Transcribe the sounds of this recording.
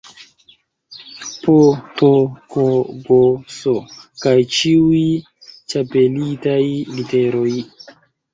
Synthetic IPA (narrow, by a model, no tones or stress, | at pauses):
potokoɡosokajt͡ʃiui | t͡ʃape̞litajliteɾo̞j